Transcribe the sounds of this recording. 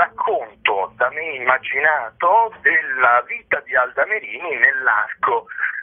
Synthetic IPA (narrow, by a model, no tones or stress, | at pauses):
akʰːont̪od̪ameimːad͡ʒinaːt̪od̪elːaviːt̪ad̪iald̪ameɾiːninelːarko